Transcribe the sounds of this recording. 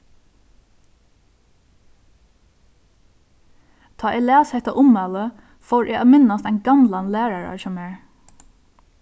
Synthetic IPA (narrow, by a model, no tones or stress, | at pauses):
t̪ʰɑːʔɛlæːshɛt̪aʔʊmɑlə | foːɹʔæ̰ɑːmɪnast̪æɪnɡɑmlanlæːɹaɹɑ̰sɔmɛːɹ